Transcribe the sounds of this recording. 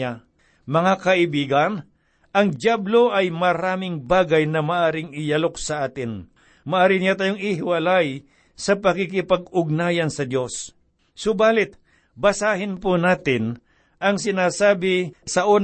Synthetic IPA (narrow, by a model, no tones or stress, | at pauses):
a | mɐŋakɐʔɪbiːɡɐn | ʔɐŋdjablo̞ʔɐjmɐɾaːmɪŋbaːɡɐjnɐmɐʔaːɾɪŋɪjalok̚sɐʔaːt̪ɪn | mɐʔaːɾɪnɪjat̪aːjoŋɪɦɪwɐlaj | sɐpɐkik̬ɪpɐɡʊɡ̚naːjɐnsɐd̪jo̞sː | ʊbaːlɪt̪̚ | bɐsaːɦɪnpunaːt̪ɪn | ʔɐŋsɪnaːsaːbɪsɐʔon